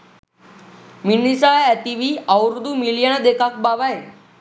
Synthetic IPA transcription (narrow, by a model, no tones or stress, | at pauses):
minisaaɛʈiʋiawɾud̪uːmiljanad̪ekak̚baʋaje